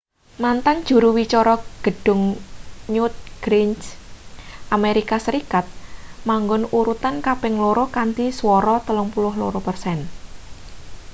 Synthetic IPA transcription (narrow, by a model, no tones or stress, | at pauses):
mant̪aŋd̥ʒ̥ṳɾuwit͡ʃɔɾɔɡ̥ə̤ɖ̥ʊ̤ŋɲʊt̪̚ɡ̥ɾins | ʔameɾikasəɾikat̪̚maŋɡʊnuɾut̪ankapɪŋloɾɔkant̪iswɔɾɔt̪əlʊŋpulʊɦlo̰ɾɔpərsɛn